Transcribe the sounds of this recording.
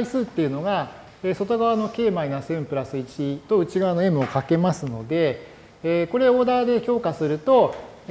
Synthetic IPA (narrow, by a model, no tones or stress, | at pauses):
isɨːt̪ːe̞iɯ̟no̞ɡa | eːso̞t̪o̞ɡaβano̞ke̞ːmainasẽ̞mpɯ̟ɾasɨit͡ɕit̪o̞ɯ̟t͡ɕiɡaβano̞e̞mɯ̟o̞kake̞masɨno̞d̪e̞ | ko̞ɾe̞o̞ːd̪aːd̪e̞ço̞ːkasɨɾɯ̟t̪o̞